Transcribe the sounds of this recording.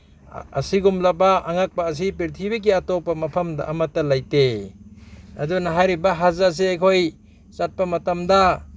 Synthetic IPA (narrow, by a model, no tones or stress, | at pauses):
ɐ̰siɡumlɐbaːŋak̚pɐːs̬ipiɾtʰibiɡiatopɐmɐpʰɐmdɐ̰ʔɐmɐtːɐlajte | ɐdunɐɦajɾibɐɦazas̬eajkʰoj | sat̚pɐmɐtɐmdɐ